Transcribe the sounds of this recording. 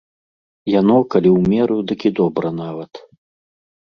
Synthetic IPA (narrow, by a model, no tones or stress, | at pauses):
janɔkalʲiwmʲɛɾud̪ɨkʲid̪ɔbɾɐnavɐt̪